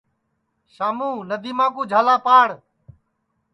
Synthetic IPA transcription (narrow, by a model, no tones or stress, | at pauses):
ʃaːmũːnəd̪iːmãːk̬uːd͡ʒʱaːlaːpaːɽ